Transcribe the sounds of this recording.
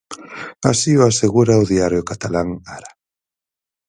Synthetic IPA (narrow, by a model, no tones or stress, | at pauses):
asiʊaseɣuɾaʊðiaɾjʊkat̪alaŋaɾa